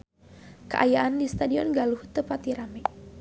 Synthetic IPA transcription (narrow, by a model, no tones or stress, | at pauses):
kəʔajaʔandist̪adiɔnɡaluht̪əpat̪iɾamɛ